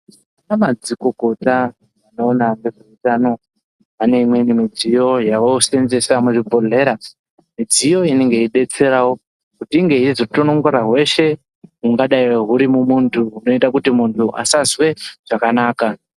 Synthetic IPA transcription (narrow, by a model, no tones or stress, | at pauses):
anamad͡ziko̞ko̞ta | ano̞ːnaŋɡeʐeutaːno̞ | ane̞imwe̞nimid͡zijo̞jaʋose̞nze̞samuʐipo̞ɮe̞ɾa | mid͡zijo̞ine̞ŋɡeiɗe̞t͡se̞ɾawo̞ | kutiiŋɡe̞ɦizo̞tono̞ŋɡoɾaɦwe̞ʃe̞ | ɦuŋɡaɗaiɦuɾimumuntʰuuno̞itakutimuntʰuʔa̰sazwe̞ʐ̥akanaːka